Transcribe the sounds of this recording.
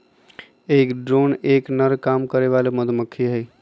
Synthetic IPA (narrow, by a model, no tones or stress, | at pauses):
eːkɖɾoːneːknəɾkaːmkəɾeʋaːleməd̪məkʰːiɦej